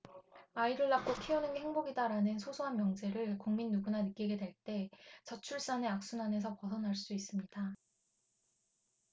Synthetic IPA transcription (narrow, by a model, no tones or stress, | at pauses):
aiɾɯɭːak̚k͈okʰionɯnhe̞ŋboɡidaɾanɯnsʰosʰoɦanmjʌŋd͡ʑe̞ɾɯɭkuŋminːuɡunanɯk͈iɡe̞dwe̞ɭt͈e̞t͡ɕʌt͡ɕʰuɭs͈ane̞ak̚s͈unane̞s̬ʰʌpʌsʰʌnɦaɭs͈uis͈ɯmɲid̥a